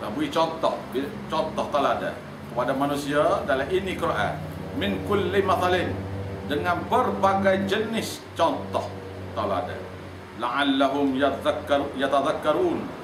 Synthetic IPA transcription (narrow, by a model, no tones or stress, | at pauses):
la̰buit͡ʃɔnt̪ɔhdit͡ʃɔnt̪ɔht̪alada̰ | kəpadamanusiadalaɦʔinikəɾoʔa̰mɪnkʊlːimaθalɪndəŋanbərpaɡajd͡ʒənɪs | t͡ʃɔnt̪ɔh | t̪ala̰da̰ | laʕalːaɦʊmj | jat̪aðakːaɾuːn